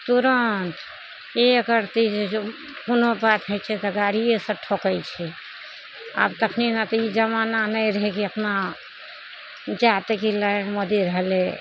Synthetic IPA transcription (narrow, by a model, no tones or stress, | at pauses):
t̪uɾənt̪ | eəkəɾt̪id͡ʒe | kunobat̪ɦəjt͡ʃʰɛt̪əɡaɾijesə̃ʈʰokət͡ʃʰɛ | a̰bt̪əkʰninat̪ɔid͡ʒəmananəjɾəɦekiəpna | d͡ʒat̪ekilənmod̪iɾəɦle